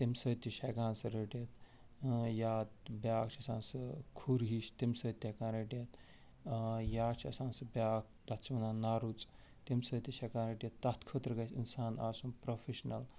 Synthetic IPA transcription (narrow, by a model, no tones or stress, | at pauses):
t̪emsəːt̪ːiʃɐkãːnsɨɾeʈjɐt̪ | jaːt̪bʲaːk̚t͡ʃʰɐsaːnsɨkʰuɾɦiʃt̪imsəːt̪ːʲekãːnɾeʈijɐt̪ | jaːt͡ʃʰɐsãːnsɨbjaːk̚ | d̪ɐt̪t͡ʃʰiʋɐnaːnaɾut͡sʼ | t̪emsəːt̪iʃɐkaːnɾeʈijɐt̪ːɐt̪kʰət̪ɾɨɡɐsʲḭnsaːna̰ːsumpɾofʰeʃnɐl